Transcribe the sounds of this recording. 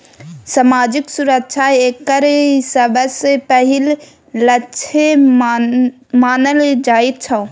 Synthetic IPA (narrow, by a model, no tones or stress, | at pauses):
samaːd͡ʒiksuɾək̚t͡ʃʰaekːəɾisəbʱəsepəɦil | lətːt͡ʃʰe | maːnəld͡ʒait̪̚t͡ʃʰə